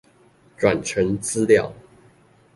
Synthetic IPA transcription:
ʈ͡ʂwa˨˩nʈ͡ʂʰə˧˥ŋt͡sɹ̩˥ljɑ˥˨ʊ

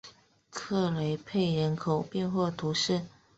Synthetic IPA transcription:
kʰɤ˥˩le˧˥ɪpʰe˥˩ɪɻə˧˥nkʰo˨˩ʊpjɛ˥˧nxwɔ˥˩t̪ʰu˧˥ʂɻ̩˥˩

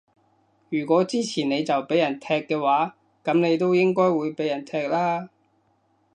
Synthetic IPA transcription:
jyː˨˩kʷɔː˨˥t͡siː˥t͡sʰiː˨˩ne˨˧jt͡sɐ˨wpe˨˥jɐ˨˩nt̪ʰɛː˧kːɛː˧waː˨˥ | kɐ˨˥mne˨˧jt̪o˥wjɪ˥ŋkɔː˥jwuː˨˧jpe˨˥jɐ˨˩nt̪ʰɛː˧k̚laː˥

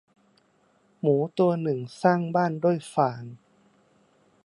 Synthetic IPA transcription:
muː˩˦t̪u˧ɐnɯ˨˩ŋsaː˥˩ŋbaː˥˩nduː˥˩əjfaː˩˦n

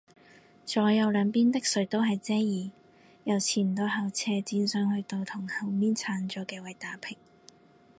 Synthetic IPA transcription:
t͡ʃɔː˨˥jɐ˨˧wlœː˨˧ŋpiː˥nt̪ɪ˥k̚sɵ˨˥ɥt̪o˥wɦɐ˨jt͡sɛː˥jiː˨˩ | jɐ˨˩wt͡sʰiː˨˩m̩˨t̪o˨˧wɦɐ˨˩wt͡sʰɛː˧t͡siː˧nsœː˨˧ŋhɵ˧t̪o˧wt̪ʰʊ˨˩ŋhɐ˨˩wmiː˥nt͡sʰaː˨˧˥nt͡ʃɔː˨˧kɛː˧wɐ˨jt̪aː˨˥pʰɪ˨˩ŋ

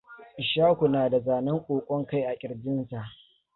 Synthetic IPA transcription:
ʔɪ˨ʃaː˦kʷu˨naː˨da˨zaː˨nɐ˦ŋkʷʼoː˨kʷʼɔ˦ŋka˦jʔa˨kʲʼɪ˨ɽd͡ʒɪ˦nsa˨ʔ

